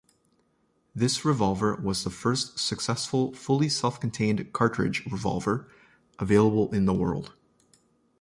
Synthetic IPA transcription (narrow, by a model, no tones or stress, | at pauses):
ðɪsɹɨvɑlˠvə˞wʌzðəfɜ˞stsɨksɛsfəl̩ˠfʊlˠisɛlˠfkn̩tʰẽɪ̃nkʰɑɹt͡ʃɹ̥ɨ̰d͡ʒɹɨvɑ̰lˠvə˞ | ʔəveɪlˠəbl̩ˠɪ̃nðəwɜ̰˞lˠd̥